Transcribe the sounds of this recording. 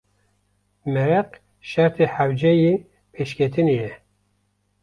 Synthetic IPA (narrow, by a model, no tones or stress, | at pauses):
mɛɾɛq | ʃæɾt̪ʰeħawd͡ʒɛji | pʰeːʃkʲʰet̪ʰɨnejɛ